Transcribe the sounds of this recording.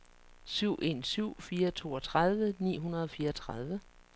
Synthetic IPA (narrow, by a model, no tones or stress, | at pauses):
syʊ̰ʔe̝nsyʊ̰fiːɐt͡sʰo̝̰ːɒ̽t͡sʰʁað̞ˠʋənḭːɦunɐð̞̩ˠɒ̽fiːɐɒt͡sʰʁað̞ˠʋə